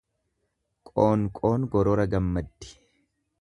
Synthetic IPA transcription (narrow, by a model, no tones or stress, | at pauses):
kʼo̞ːŋkʼo̞ːnɡɔɾɔɾɐɡɐmːɐd̪ːɪ̥